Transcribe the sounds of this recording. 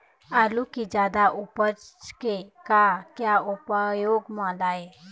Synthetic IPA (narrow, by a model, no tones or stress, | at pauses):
aːlukid͡ʒjaːd̪aʔʊpət͡ʃkekakjaʊpəjoːɡmãːlaːeː